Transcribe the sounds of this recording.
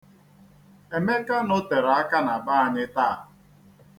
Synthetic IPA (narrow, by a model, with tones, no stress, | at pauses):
e˨me˦ka˦nʊ˦te˨ɾa˦ka˦na˨ba˦a˨ɲɪ˦taː˦a˨